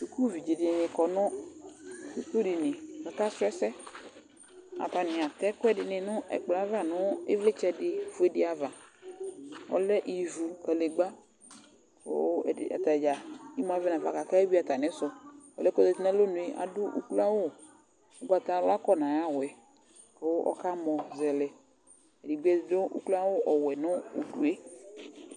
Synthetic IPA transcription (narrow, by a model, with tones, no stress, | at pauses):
t͡ʃu˨ku˦vi˨d͡ʒi˨dɪ˨nɪ̃˨kɔ˨nɔ̃˦ | u˦ko˦dɪ˨nɪ̃˨ka˨ka˦sɛ˦sɛ˦ | a̰˨pa˨nɪ̃˨a˨t̪ɛ˦kʊ˦ɛ˦dɪ˨nɪ̃˨nʊ̃˦ʔɛ̰˨k͡pla˦va˦˨nʊ̃˦ḛ˦vle˦t͡ʃɛ˦dɪ˨fʊ˦e˦dɪ˦a˨va˨ | wɔ̰˦lɛ˦ʔi˨vu˨kɛ˨le˨ɡ͡ba˦ | o̰˦˨a̰˨t̪a˨d͡ʒa˨i˦m˦ã˨˦vɛ˦nã˨va˨ka˨ka˦e˦bi˦a˨t̪a˨nɛ̃˨˦sɔ˨ɔ˨lɛ˦kɔ˦zɛ˨ti˦nɛ̃˦lo˦nũ˨e˦ʔa̰˨do˦ʔṵ˦klu˦a˦wo˦ | o˦ɡ͡ba˨t̪a˦lo˦a˦kɔ˦nã˨ja˦wɛ˨ | ke˨wo˦ʔɔ̰˦ka˦mɔ̃˨zɛ˨lɛ˨ | e˨di˨ɡ͡bɛ˦˨do˦ʔṵ˦kla˦wo˦ʔɔ˨wɛ˨nɔ̃˦ṵ˨ɖu˨e˦